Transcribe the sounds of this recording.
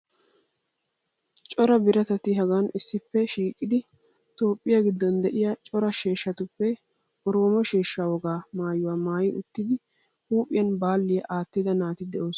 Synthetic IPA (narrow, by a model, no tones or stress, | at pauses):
t͡ʃʼɔɾɐbɪɾɐt̪ɐt̪ːɪɦɐɡanɪsːɪpːɛʃiːkʼːɪd̪ɪ | t̪o̞ːpʼːɪjɐɡɪd̪ːɔnd̪ɛʔɪjɐt͡ʃʼɔɾɐʃe̞ːʃːɐt̪ʊpːɛ | ɾoːmɔʃeːʃːaːwɔɡaːmaːjʊwaːmaːjɪʔʊt̪ːɪd̪ɪ | huːpʼɪjɐnbaːlːɪjɐʔaːt̪ːɪd̪ɐnaːt̪ɪd̪ɛʔoːs